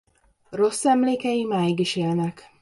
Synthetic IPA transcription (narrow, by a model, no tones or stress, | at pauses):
ro̞sːɛmleːkɛjimaːjiɡiʃeːlnɛk